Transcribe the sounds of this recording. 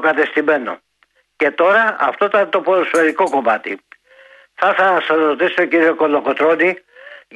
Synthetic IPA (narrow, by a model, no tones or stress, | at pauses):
kɐt̪e̞st̪ime̞no̰ | ce̞t̪o̞ɾɐɐft̪oit̪ɐnet̪o̞poɾosfeɾiko̞ko̞mɐt̪i | θɐθɐsɐɾot̪isit̪ociɾioko̞lːokot̪ɾo̞ni